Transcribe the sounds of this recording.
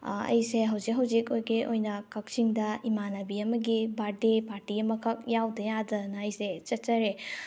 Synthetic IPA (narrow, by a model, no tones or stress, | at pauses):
ɐ̰jseɦɐwzik̚ɦɐwzikojɡeʔojnɐkɐk̚siŋdɐimanɐbiɐmɐɡibaɾdipaɾtiɐmɐkʰɐk̚jawdɐjadɐnɐːjset͡ʃɐt̚t͡ʃɐɾe